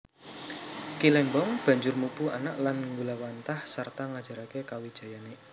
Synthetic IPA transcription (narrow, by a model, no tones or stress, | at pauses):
kilɛmbɔŋb̥a̤ɲd͡ʒʊrmupua̰naʔlanŋɡulawant̪ahsart̪aŋad̥ʒ̥a̤ɾakekawid̥ʒ̥a̤jane